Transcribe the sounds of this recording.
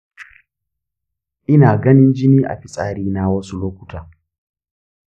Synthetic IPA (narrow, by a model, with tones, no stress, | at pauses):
ʔɪ˦naː˨ɡɐ˦nɪ˦nd͡ʒɪ˦niː˦ʔa̰˨ɸi˦sʼaː˦ɾiː˦naː˦wɐ˦su˦loː˦kʷʊ̥˦taː˨